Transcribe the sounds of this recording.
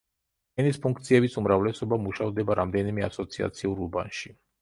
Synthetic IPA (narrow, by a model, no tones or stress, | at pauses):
ɛnispʰuŋkt̪sʰiɛbisumɾavlɛsɔbamuʃavd̪ɛbaɾamd̪ɛnimɛa̰sɔt̪sʰia̰t̪sʰiuɾuba̰nʃi